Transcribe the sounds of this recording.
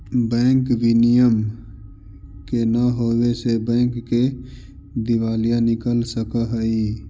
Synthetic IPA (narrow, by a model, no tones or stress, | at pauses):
bɛ̃ːŋkbinijəm | kenəɦobesebɛ̃ːŋkːe | d̪iʋalijãnikəlsəkəɦəi